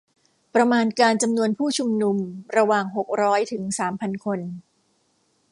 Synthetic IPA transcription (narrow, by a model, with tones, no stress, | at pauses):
pɾa˧maː˧nkaː˧nt͡ɕa˧mnu˧ənpʰuː˥˩t͡ɕʰu˧mnu˧mɾa˧waː˨˩ŋɦo˨˩k̚ɾɔː˦˥jt̪ʰɯ˩˦ŋsaː˩˦mpʰa˧nkʰo˧n